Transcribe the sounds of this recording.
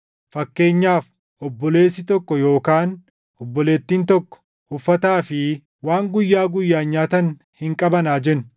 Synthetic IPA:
fɐkːe̞ːɲːaːf | ɔbːɔle̞ːsːɪt̪ɔkːɔjo̞ːkaːn | ɔbːɔle̞ːt̪ːiːnt̪ɔkːɔ̥ | ʊfːɐt̪aːfɪ | waːŋɡʊjːaːɡʊjːaːɲɲaːt̪ɐn | hɪŋkʼɐbɐnaːd͡ʒɛnʊ

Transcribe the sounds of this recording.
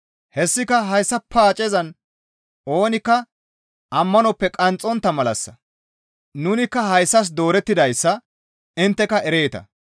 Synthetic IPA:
hɛsːɪkɐɦɐjsːɐpʰːaːt͡ʃʼɛzɐn | o̞ːnɪkːɐ | ʔɐmːɐnɔpːɛkʼɐnt͡sʼːɔnt̪ːɐmɐlɐ̰sːɐ | nʊnɪkːɐɦɐjsːɐs̬d̪o̞ːɾɛt̪ːɪd̪ɐjsːɐ | ɪnt̪ːɛkɐʔɛɾeːt̪ɐ̰

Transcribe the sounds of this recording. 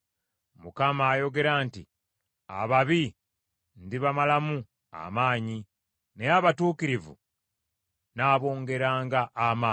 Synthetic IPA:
mukamaːjo̞ɡe̞ɾaːntḭ | a̰βaβi | ndiβamalamu | a̰maːɲi | ne̞aβatuːkiɾivṵ | naːβo̞ːŋɡe̞ɾaːŋɡaʔːmaː

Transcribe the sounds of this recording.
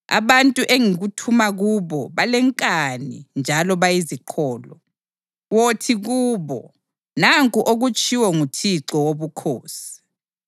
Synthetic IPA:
a̰βantʼuʔeŋiɣutʰumaɣuβɔβalɛŋkʼanḭnd͡ʒʱalɔβajiziǃʰɔːlɔ | wotʰiɣuːβɔ̰ | naŋkʼuʔoɣut͡ʃʰʼiwɔŋutʰiǁɔwoβukʰoːsi̥

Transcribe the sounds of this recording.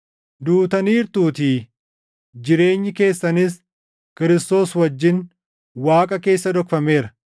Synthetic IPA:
d̪uːt̪ɐniːɾt̪uːt̪iː | d͡ʒɪɾe̞ːɲːɪke̞ːsːɐnɪs | kɪɾɪst̪o̞ːswɐd͡ʒːɪn | waːkʼɐke̞ːsːɐd̪ɔkfɐmeːɾɐ

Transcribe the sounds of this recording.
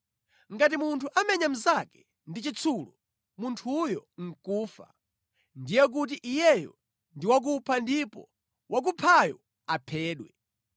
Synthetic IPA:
ŋɡat̬imuntʰuʔamɛɲam̩zakɛ̥ | ndit͡ʃit͡sʰulu | muntʰujɔŋ̩kuːfa̰ | ndijɛk̬ut̬iʔijɛjɔ̰ | ndiwak̬upʰandipɔ̰ | wʔak̬upʰajɔ̰ | apʰɛːɗwɛ

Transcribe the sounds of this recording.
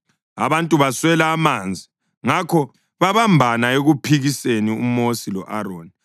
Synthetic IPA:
a̰βantʼuβaswɛlaːmand͡zʱi | ŋakʰɔ | βaβambʱanaeɣupʰiɣiseniumosilɔʔaɾoːni

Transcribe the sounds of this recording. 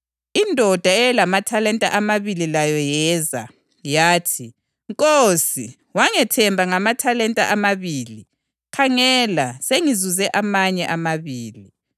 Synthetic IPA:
indʱɔd̥ʱaɛlamatʰalɛntʼa̰ʔamaβililajɔjɛːza̰ | jaːtʰi | ŋkʼoːsi | waŋɛtʰɛmbʱaŋamatʰalɛntʼaʔamaβiːli | kʰaŋɛlaseŋizuzɛʔamaɲɛʔamaβiːli

